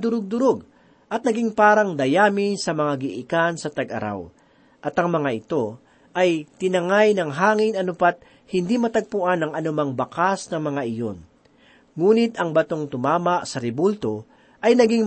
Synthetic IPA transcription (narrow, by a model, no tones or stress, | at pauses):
d̪ʊɾoɡ̚d̪ʊɾoɡ | ʔɐt̪̚nɐɡiŋpaːɾɐŋd̪ɐjaːmɪsɐmɐŋaɡɪʔɪkansɐt̪ɐɡɐ̰ɾa̰w | ʔɐt̪ɐŋmɐŋaɪt̪o̞ | ʔɐjt̪ɪnɐŋajnɐŋɦaːŋɪnɐnʊpat̪̚ | hɪnd̪imɐt̪ɐɡ̚pʊʔanɐŋɐnʊmaŋbɐkasnɐŋmɐŋaʔɪjo̰n | ŋuːnɪt̪ɐŋbɐt̪o̞ŋt̪ʊmaːmɐʔsɐɾɪbult̪o̞ | ʔɐjnɐɡiŋ